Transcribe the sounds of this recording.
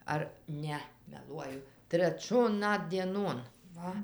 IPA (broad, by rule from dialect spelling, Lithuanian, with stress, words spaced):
ˈɐr ˈnʲɛ mʲɛˈlˠuɔjʊ tʲrʲɛˈt͡ʃʲoːn ˈnɐt dʲiɛˈnoːn ˈʋɐ